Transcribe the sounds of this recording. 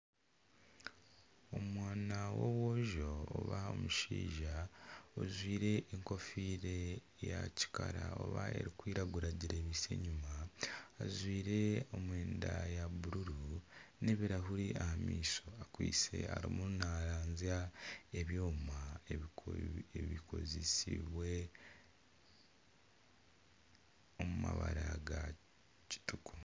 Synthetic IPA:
o̞mwaːnawowoʒo̰ːβao̰muʃḭːʒao̰zwiːɾe̞ʔːŋko̞fiːɾe̞ | ja̰ci̥ka̰ɾa̰o̞̰βa̰e̞̰ɾikwiːɾaɡuɾaɟiɾe̞ːβisḛɲumaː | zwiːɾe̞o̞mwe̞ːndajaβuɾuɾuneβiɾaɦuɾiʔahamiːso̞akwḭːse̞̰aɾḭmunaɾaːɲziae̞βjo̞ːmae | βikʰo̞̰zesḭβwe̞ | o̞muma̰βaɾaɡa | ci̥tuku̥

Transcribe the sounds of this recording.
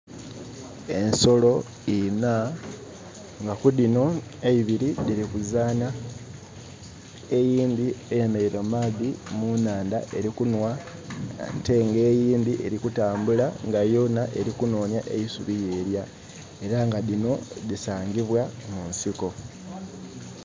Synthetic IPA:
e̞nso̞lo̞ | ina | ŋɡakuðino̞ | eiβiɾiðiɾikuzaːna | e̞jiːndiejeme̞ɾiɾomaðimunaːndaʔe̞ɾikunwa | nte̞ŋɡe̞ːjiːnd̪iʔe̞ɾikutaːmbulaŋɡajo̞naʔeɾikuno̞ːnjaʔḛisṵβije̞ːɾja | e̞ɾaŋɡaðino̞ðisaːŋɡiβwamunsiko̞

